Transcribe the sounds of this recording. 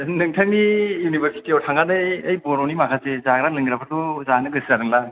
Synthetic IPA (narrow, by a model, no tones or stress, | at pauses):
nɯŋtʰaŋnijunibʱeɾsi̥tiɔtʰaŋɡanɯjɐjbononimakʰazezaɡɾalɯŋɡɾapʰatozanɯɡɯszaɾɯŋla